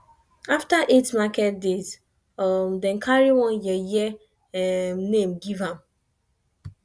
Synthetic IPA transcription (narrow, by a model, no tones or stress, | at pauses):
aftaʔetmakɛt̚dez | ɔmdɛ̃nkʰaɹiwɔ̃njɛjɛ | mnẽmɡivãm